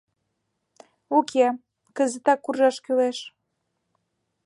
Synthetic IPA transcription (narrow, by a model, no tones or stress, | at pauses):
ukʰe | kəzə̆t̪ɑkːurʒɑʃkyleʃ